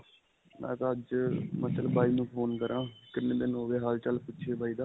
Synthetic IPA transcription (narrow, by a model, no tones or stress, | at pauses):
mɛ̰̃ːk̪aəd͡ʒmət̪ələbaːiːnũːpʰoːnkəɾʔãːkɪnːẽːd̪enoːʋeːɦaːlt͡ʃəlpʊtːʃʰeːbaːiːd̪aː